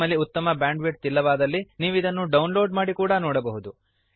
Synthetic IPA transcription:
ɐlːiut̪ːɐmɐbjaːɳɖʋiʈ̚t̪ilːɐʋaːd̪ɐlːiniːʋuid̪ɐnːuɖɐwnlo̞ːɖmaːɽikuːɽɐnɔːɽɐbɐɦud̪u

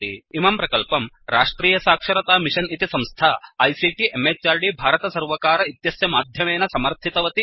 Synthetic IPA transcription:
iimɐmpɾɐkɐlpɐm | ɾaːʂʈɾiːjɐsaːkʂɐɾɐt̪aːmiʃɐnit̪isɐmst̪ʰaːɐjsiːʈiʔemeːt͡ʃaːɾɖibʱaːɾɐt̪ɐsɐɾʋɐkaːɾɐit̪jɐsjɐmaːd̪ʱjɐmeːnɐsɐmɐɾt̪ʰit̪ɐʋɐt̪i

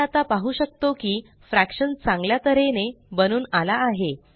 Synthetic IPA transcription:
at̪apaɦuːɕək̚t̪okiː | fɾækɕənt͡sãŋɡljat̪əɾene | bənuːnalaːɦe

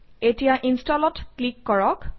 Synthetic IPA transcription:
etijaʔinstɔlɔtklikːɔɹɔk

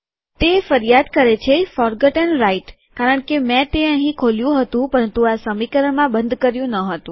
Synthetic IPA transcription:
t̪efəɾjad̪kəɾet͡ʃʰefɔɾɡəʈənɾaiʈ | kaɾəɳkemɛ̃t̪eəɦĩkʰoljũɦət̪ũpəɾənt̪uasəmikəɾəɳmãbənd̪ʱkəɾjũnəɦət̪ũ

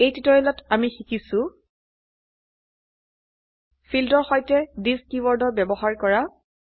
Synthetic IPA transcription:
ejtitɔɹilɔtamixikisʊ̃ | fʰildɔɹxɔjtɛdiskiwɔɹdɔɹbɛbɔɦaɹkɔɹa

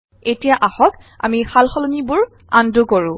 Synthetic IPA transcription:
etijaʔaxɔk | a̰mixalxɔlɔnibʊɹ | a̰ndukoɹũ

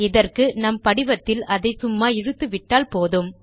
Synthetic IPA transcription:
ɪðɐrkɯnɐmpɐɽɪʋɐt̪ːɪlɐðɐɪsʊmːaːɪɻɯt̪ːɯʋɪʈːaːlpoːðɯm

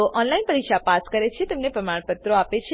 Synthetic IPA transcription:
oʔɔnlainpəɾikʃapaskəɾet͡ʃʰet̪emnepɾəmaɳ̃pət̪ɾoapet͡ʃʰ

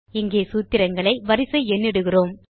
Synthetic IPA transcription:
ɪŋɡeːsuːt̪ːɪɾɐŋɡɐɭɐɪʋɐɾɪsɐɪɛnːɪɽɯɣɪroːm

